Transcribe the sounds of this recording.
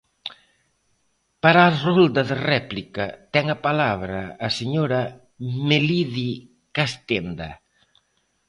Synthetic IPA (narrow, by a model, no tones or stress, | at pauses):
paɾarold̪ɐðerɛplikɐt̪ɛŋɐpalaβɾɐːseɲoɾɐ | meliði | kast̪end̪a̰